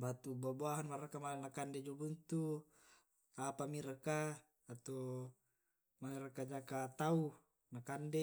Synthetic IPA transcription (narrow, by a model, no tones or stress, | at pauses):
bat̪ubabuaɦanmaɾakamalanakanded͡ʒobunt̪u | apamiɾəkaː | t̪o | maliɾakad͡ʒakat̪au | nakande